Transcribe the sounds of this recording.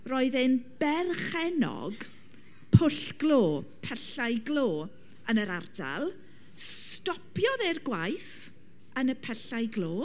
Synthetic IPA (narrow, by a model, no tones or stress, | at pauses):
roːɨðɪnb̥ɛrχɛnɔ̰ɡ | pʰʊɬɡ̥loːpʰɛɬajɡloː | ənəɾarda̰lˠ | stɔpʰjɔðerɡwajs | ənəpʰɛɬajɡloː